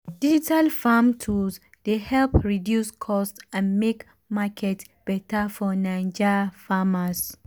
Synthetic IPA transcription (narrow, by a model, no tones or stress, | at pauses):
d̥id͡ʒitalfamtʰus | dehɛlpɹidjuskʰɔstãnmek | makʰɛt | b̥ɛtafɔnãnd͡ʒafamas